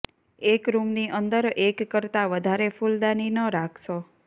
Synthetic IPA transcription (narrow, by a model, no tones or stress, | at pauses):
ekɾumniʔənd̪əɾekːəɾt̪aʋəd̪ʱaɾefuld̪aninəɾakʰʃo